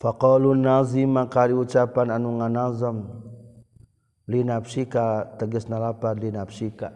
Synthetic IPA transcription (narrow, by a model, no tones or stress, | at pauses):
faqɔlunazimakaliut͡ʃapananuŋanazəm | linapsikat̪əɡəsnalapat̪linabsika